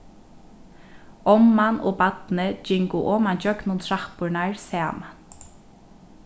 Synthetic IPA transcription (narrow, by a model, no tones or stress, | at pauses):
ɔmːanʔo̰ːbat̪nəd͡ʒɪŋkʊʔɔːmand͡ʒœknʊnt̪ʰɹahpʊɹnaɹsɛːma